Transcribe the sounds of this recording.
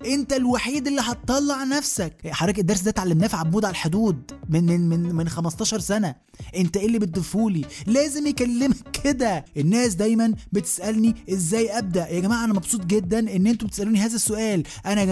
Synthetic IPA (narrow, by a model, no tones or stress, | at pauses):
ʔent̪ælwaħiːd̪elːiɦɑt̪̚t̪ˤːɑlːɑʕnæfsækħɑɾˤɑːkʔæd̪ːɑɾˤs̬d̪æːt̪ʕalːemnæːfʕabːuːd̪ʕalæħod̪uːd̪̚menmenmenxæmɑst̪ɑːʃɑɾˤsænæ | ʔent̪æʔelːibet̪ːefuːlilæːzemjekælːemækːʰed̪æʔenːæːs̬d̪æjmænbet̪e̥sʔælniʔezːæːjʔæb̚d̪æʔjæɡæmaːʕʔænæmɑbsˤuːt̪ˤɡed̪ːænʔenːʔent̪ubet̪e̥sʔæluːniɦæːzæsːoʔæːl | ʔænæ